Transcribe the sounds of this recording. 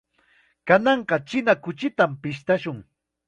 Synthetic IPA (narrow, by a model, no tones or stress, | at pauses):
kanɑɴqɑt͡ʃɪnakʊt͡ʃɪt̪ampɪʃt̪aʃʊŋ